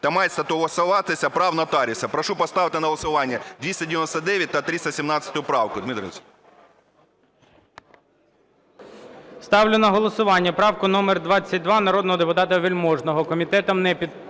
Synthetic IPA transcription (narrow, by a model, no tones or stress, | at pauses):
t̪ɐmɑjt̪ʲst̪ɐt̪ʊɦɔsɐʋɑt̪esʲɐpɾɑwnɐt̪ɑɾʲisɐpɾɔʃupɔst̪ɑʋɪt̪ɪnɐɦɔlˠɔsʊʋɑnʲːɐd̪ʲʋʲisʲtʲɐdʲɪʋʲɪnɔst̪ɐd̪ɛʋʲjɐt̚ʲt̪ɐt̪ɾʲisʲt̪ɐsʲimnɑt͡sʲːɐt̪ʊjʊpɾɑwkʊd̪mit̪ɾʲɪnsʲ | st̪ɑwlʲʊnɐɦɔlˠɔsʊʋɑnʲːɐpɾɑwkʊnɔmerd̪ʋɑt͡sʲːɐt̚ʲd̪ʋɑnɐɾɔd̪nɔɦɔd̪epʊt̪ɑt̪ɐʋʲilʲmɔʒnɔɦɔkɔmʲit̪ɛt̪ɔmnɛpʲid̪